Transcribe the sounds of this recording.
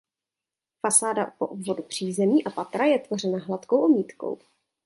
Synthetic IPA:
fasaːda̰poʔobvo̞dupr̝̥iːzɛmiːʔapat̪ɾajɛt̪vo̞r̝ɛnaɦlat̪kowʔomiːt̪ko̞̰w

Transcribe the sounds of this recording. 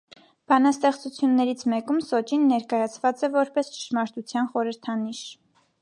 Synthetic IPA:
b̥ɑnɑst̪ɛχt͡sut͡sʰjunːɛɾit͡sʰmɛkumsɔt͡ʃinːɛɾkɑjɑt͡sʰvɑt͡sɛvɔɾpɛst͡ʃə̥ʃmɑɾt̪ut͡sʰjɑnχɔɾəɾt̪ʰɑniʃ

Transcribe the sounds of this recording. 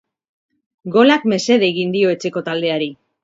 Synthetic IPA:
ɡo̞lakme̞se̞ðe̞ɣind̪io̞e̞t͡ʃe̞ko̞t̪ald̪e̞aɾi

